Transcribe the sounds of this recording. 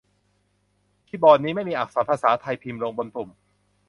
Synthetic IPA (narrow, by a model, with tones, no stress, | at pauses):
kʰiː˦˥˩bɔː˧nːiː˦˥ma˥˩jmiː˧ʔaː˨˩saː˩˦npʰaː˧saː˩˦t̪ʰa˧jpʰiː˧mɾoː˧ŋbo˧npu˨˩m